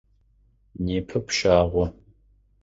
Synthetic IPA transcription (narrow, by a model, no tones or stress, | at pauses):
neːpʰɐpʃaːʁʷɔ